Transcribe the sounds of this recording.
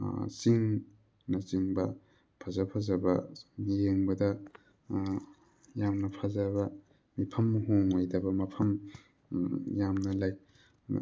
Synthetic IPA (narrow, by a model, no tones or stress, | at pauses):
siŋ | nɐziŋbɐ | pʰazɐpʰazɐbɐmijeŋbɐdɐ | jamnɐpʰazɐbɐ | mipʰɐmɦoŋajdɐbɐmɐpʰɐm | jamnɐlaj